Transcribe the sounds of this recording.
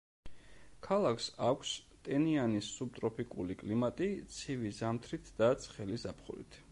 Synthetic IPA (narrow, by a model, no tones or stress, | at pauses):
kʰalˠakʰsakʷʰst̪ʼɛnianisːub̚t̪ʼɾɔpʰikʼṵlikʼlimat̪ʼit̪sʰivizamt̪ʰɾit̪ʰd̪̥at̪sʰχɛlizapʰχṵɾḭt̪ʰ